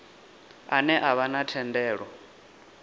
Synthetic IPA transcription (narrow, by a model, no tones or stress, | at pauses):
a̰nɛʔaβanatʰɛndɛːɺɔ